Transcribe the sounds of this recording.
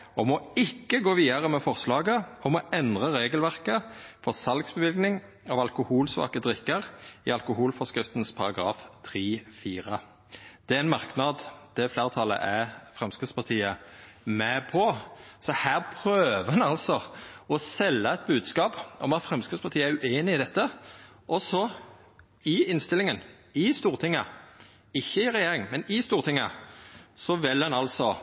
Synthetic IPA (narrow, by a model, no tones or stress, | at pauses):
ɔmɔɪkːəɡoːʋiːd̪ɑʁəmɛfɔʁslɑːɡəɔmɔɛnd̪ʁəʁeːɡəlʋæʁkəfɔʁsɑlɡsbəʋɪlɡnɪŋ | ɑʋɑlkʊhuːlsʋɑ̰ːkəd̪ʁɪkːəʁɪ̰ɑlkʊhuːlfɔskɾɪft̪nspʰɑʁɑɡʁɑ̰ːft̪ʰʁiːfiːʁə | d̪̥ɛæɪnmɑʁknɑd̪t̪ʰɛfleːʁət̪ʰɑlːə̰ʔæfʁɛmskɪd̪spɑʁt̪ʰiːə | mɛpʰɔsɔhæːʁpʰɾøːʋəʁhɛnɑlsɔɔsɛlːəɛt̪̚bʉːd̪skɑːpɔmɑt̪fʁɛmskɪd̪spʰɑʁt̪ʰiːəæɾʉeːnɪɪd̪ɛt̪ːə | ʔɔsɔ | ɪɪnst̪ɪlɪŋən | ɪst̪uːʁt̪ʰɪŋə | ɪçːəɪʁɛjeːɾɪŋmɛnɪst̪uːʁt̪ʰɪŋːə̰ | sɔʋɪlɑnɑlsɔ